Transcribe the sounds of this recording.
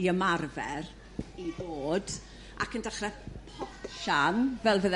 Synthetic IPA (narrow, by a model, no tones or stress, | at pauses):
iəmarvɛr | iboːd | ʔa̰kəndaχrɛpʰɔpʃanvɛlˠvəð